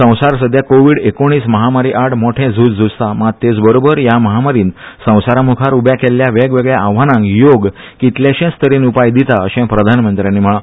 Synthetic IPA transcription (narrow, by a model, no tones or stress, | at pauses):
sə̃w̃saɾsəd̪ʱjakoʋiːɽekoɽ̃iːsməɦamaɾiʔaɽmoʈʰẽd͡zʱut͡sd͡zust̪amat̪et͡sbəɾobəɾjaməɦamaɾiːnsə̃w̃saɾamukʰaɾubjakelːjaʋeɡʋeɡɭjaʔaʋ̤anãŋkjoɡ | kit̪ljaɕẽst̪ʰəɾiːnupajd̪it̪aəɕẽpɾəd̪ʱanmənt̪ɾjãnːiːm̤əɭã